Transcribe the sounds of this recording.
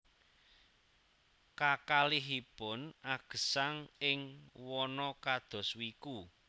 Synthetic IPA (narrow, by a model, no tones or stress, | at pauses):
kakaliɦipɔnaɡ̥ə̤saŋɪŋwɔnɔkad̪̥ɔ̤swiku